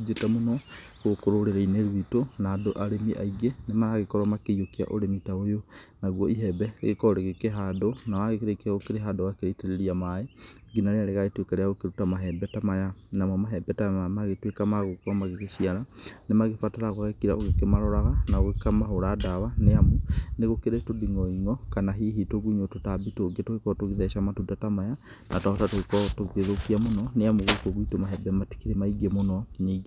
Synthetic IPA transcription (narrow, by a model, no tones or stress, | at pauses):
d͡ʒetamonɔɣokoɾoɾeɾaineɾwitonaːdoʔaɾemiʔa̰iɡenemaɾaɣekɔɾamakeiokia̰ʔo̰ɾemitaojonaɣwɔiɦɛbɛḛɣekɔɔɾeɣekeɦadonawaɣekeɾekɣokeɾeɦadowakeɾeiteɾeɾiamae | ɡinaɾeaɾeɣaɣetwekɛɾɛaɣokeɾutamaɦɛbɛtamajanamɔmaɦɛbɛtaamaɣetwekamaɣokuamaɣekeɕiaɾanemaɣefataɾaɣohɛkiɾaoɣekemaɾɔɾaɣanaoɣekamaɦoɾadaβaneamuneɣokeɾetodiŋɔiŋɔkanaɦiɦitoɣuɲototabitoɡetoekɔtoɣiðɛʃamatudatamaja | nataɔtatoekɔtoɣɣeðokiamonɔneamuɣokoɣwitomaɦɛbɛmati̥kiɾemaiɡemonɔniːɡ